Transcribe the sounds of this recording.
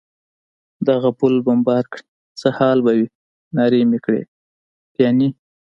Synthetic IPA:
d̪aɣapulbambɑɾkɽi | t͡səhɑlbawi | nɑɾemekɽḛ | t̪jɑni

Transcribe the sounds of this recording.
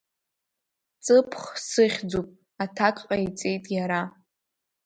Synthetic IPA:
t͡sʼɨpʰχsɨχʲd͡zupʼ | atʰakʼqʼait͡sʼe̞jtʼjaɾa

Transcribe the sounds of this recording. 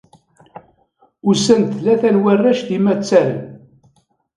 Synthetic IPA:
ʊsænt̪læθænwærːæʃðimæt͡sːæl

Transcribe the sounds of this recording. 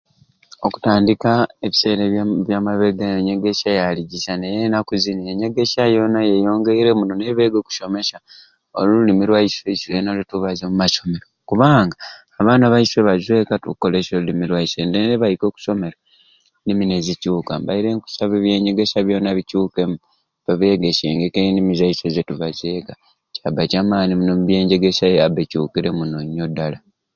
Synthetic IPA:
oku̥taːndikae̞βise̞ːɾeβjamaβe̞ɡajeɲe̞ɡeʃajaliɟiʃanejenakuzinieɲe̞ɡe̞ʃajo̞najejo̞ːŋɡe̞iɾe̞munoneβe̞ːɡo̞ːku̥ʃo̞me̞ʃa | o̰lululimiɾwaisweiʃuenalituβazomumaʃo̞me̞ɾokuβaːŋɡaː | βaːnaβaisweβazwe̞ːkatuko̞le̞solulimiɾwaisendeneβajiko̞ːku̥so̞me̞ɾa | nimine̞zicuːkambaiɾe̞ŋku̥saβeβje̞ːɲɟe̞ɡe̞saβjo̞ːnaβicuːke̞mu | βaβe̞ɡeʃeːŋɡekenimizaise̞zetuβazwe̞ːka | cabacamaːnimunomuβje̞ːɲɟe̞ɡe̞sajabecuːkiɾe̞munoɲːodala

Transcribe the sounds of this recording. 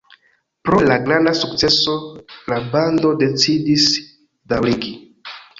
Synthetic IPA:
pɾo̞laɡɾandasukt͡se̞solabando̞de̞t͡sidis | dawɾiɡi

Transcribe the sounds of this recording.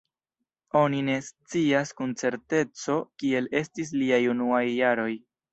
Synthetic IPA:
o̞nine̞st͡siaskunt͡se̞ɾte̞t͡so̞kie̞le̞stis̬liajunuajːaɾo̞j

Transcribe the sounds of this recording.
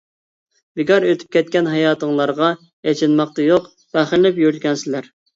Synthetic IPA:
b̥ɪɡɑɾøt̪ʰy̥p̚kʲɛt̪̚kʲɛnɦɑjɑːt̪ʰəŋlˠɑɾʁɑ | jɛt͡ʃʰɪnmɑq̚t̪ɑjoq | b̥æχɪllɪpjyɾt̪̚ɡʲɛnsɪlæɾ

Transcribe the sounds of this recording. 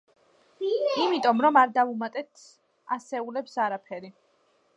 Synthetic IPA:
imit̪ʼɔmɾɔmaɾd̪avumat̪ʼɛt̪ʰ | asɛulɛpsaɾapʰɛɾi

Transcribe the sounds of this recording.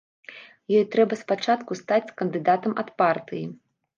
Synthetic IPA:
jɔjt̪ɾɛbɐspat͡ʂat̪kust̪at͡sʲkɐnd̪ɨd̪at̪ɐmɐt̪part̪ɨji

